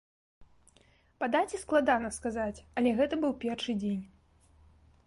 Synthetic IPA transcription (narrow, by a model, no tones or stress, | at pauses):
pad̪at͡sʲɛsklˠad̪anɐskazat͡sʲɐlʲɛɣɛt̪ɐbɨwpʲɛrʂɨd͡zʲenʲ